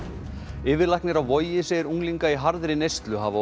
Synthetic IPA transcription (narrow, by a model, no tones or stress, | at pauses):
ɪːvɪlajhknɪɾawvɔjɪsejɪɾuŋliŋkaiɦaɾðɾɪnejst̪lʏɦava